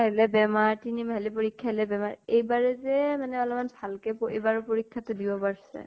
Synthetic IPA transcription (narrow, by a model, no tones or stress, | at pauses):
aɦlɛbɛmaɹtinimalipoɹikʰːaɦlɛbɛma̰ɹejbaɹɛzɛmanɛɔlɔmanbʱalkɛpebaɹʊpoɹikʰːatʊdibɔpaɹsɛ̰